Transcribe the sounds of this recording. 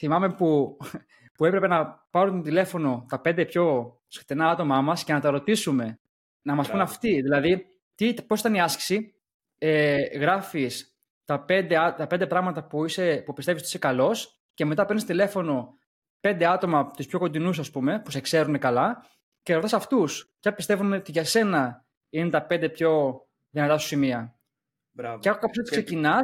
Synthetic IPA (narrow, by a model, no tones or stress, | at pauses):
θimɐme̞pu | pue̞pɾepenɐpɐɾunt̪ont̪ile̞fo̞no̞t̪ɐpend̪epço̞ | skt̪inɐɐt̪o̞mɐmɐsce̞nɐt̪ɐɾo̞t̪isume̞ | nɐmɐspunɐft̪iðilɐði | t̪iposit̪ɐniɐsci̥si | eɣɾɐfis | t̪ɐpe̞nd̪eɐt̪ɐpe̞nd̪e̞pɾɐɣmɐt̪ɐpuise̞pupist̪e̞visoisekɐlo̞s | ce̞me̞t̪ɐpenist̪ile̞fo̞no̞ | pe̞nd̪e̞ɐt̪o̞mɐt̪uspço̞ko̞d̪inus̬ɐspume̞pusekse̞ɾune̞kɐlɐ | ceɾot̪ɐsɐft̪uspçɐpist̪e̞vumeot̪iʝɐse̞nɐ | inet̪ɐpe̞nd̪e̞pço̞ | ðinɐt̪ɐsu̥simiɐ | eexokɐpost̪i̥ksecinɐ